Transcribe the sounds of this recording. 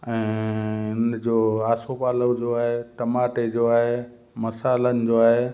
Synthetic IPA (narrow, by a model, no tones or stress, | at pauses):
ɛ̃ːʊnd͡ʑoːaːsopaːləd͡ʑoːaːɦeʈɐmaːʈed͡ʑoːaːɦe | mɐsaːlənɪ̆d͡ʑoːaːɦeː